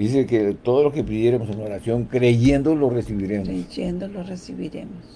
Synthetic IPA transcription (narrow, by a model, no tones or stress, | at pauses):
d̪is̬eket̪o̞ðozloskepiðjeɾemosenoɾasjo̞ŋkɾe̞ʝe̞nd̪olo̞resiβiɾe̞mojend̪oloresiβiɾḛmos